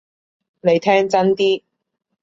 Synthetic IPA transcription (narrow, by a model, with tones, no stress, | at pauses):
ne˨˧jt̪ʰɛː˥ŋt͡sɐ˥nt̪iː˥